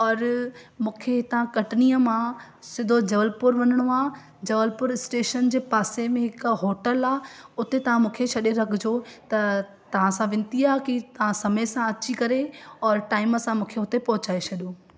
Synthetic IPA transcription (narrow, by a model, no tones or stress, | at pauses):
ɔːɾmũːkʰet̪ɐʋ̤ãkɐʈniːəmã | sɪ̃nd̪ʱod͡ʑɐʋəlpʊɾʋɐnəɽ̃oaː | d͡ʑɐʋəlpʊɾɪsʈeːʃənd͡ʑeːpaːsemẽɦɪkɦoːʈəlaːɦʊt̪et̪ɐʋ̤ãmũːkʰeɕʰɐɗeɾɐɡʰʱɪd͡ʑot̪ɐ | t̪ɐʋ̤ãsãʋɪ̃nt̪iaːɦkit̪ɐʋ̤ãsɐməjsãɐt͡ɕikɐɾeɔːɾʈaːɪməsãmũːkʰeʊt̪epɐɦʊt͡ɕaːet͡ɕʰɐɗijoː